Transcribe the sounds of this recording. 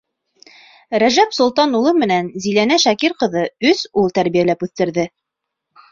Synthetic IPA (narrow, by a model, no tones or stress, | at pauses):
ɾæʒæpsŏlˠt̪ɑnulˠɤmɘ̆nænzilænæʃækiɾqɤ̆ðɤɵsulˠt̪æɾβijælæpʉθt̪ɘ̆ɾðɘ